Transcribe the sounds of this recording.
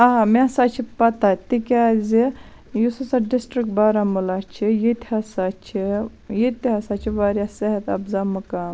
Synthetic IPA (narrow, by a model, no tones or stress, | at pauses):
aɦamẽsat͡ʃʰipɐt̪at̪ikʲazi | jusɐsɐɖisʈɾik̚ʈ̚baːɾamulat͡ʃʰijit̪ihasat͡ʃʰi | jit̪iɦɐsat͡ʃʰiʋaɾʲjaseɦɐt̪ɐ̰bzamɨkaːm